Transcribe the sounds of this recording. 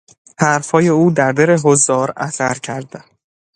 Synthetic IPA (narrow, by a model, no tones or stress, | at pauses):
hæɾfhɒːje̞uːd̪æɾd̪eɾeɦozːɒːɾæ̰sæɾcʰæɾd̪æn